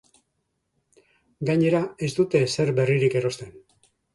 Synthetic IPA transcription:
ɡaɲe̞ɾae̞zd̪ut̪e̞se̞ɾbe̞riɾike̞ɾo̞st̪e̞n

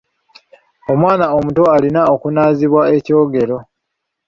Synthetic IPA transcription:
o̞mwaːnao̞muto̞alinao̞kunaːziβwae̞co̞ːɡe̞ɾo̞

